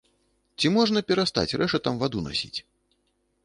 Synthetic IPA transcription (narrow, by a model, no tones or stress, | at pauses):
t͡sʲimɔʐnɐpʲɛɾast̪a̰t͡sʲrɛʂɐt̪amvad̪una̰sʲḭt͡sʲ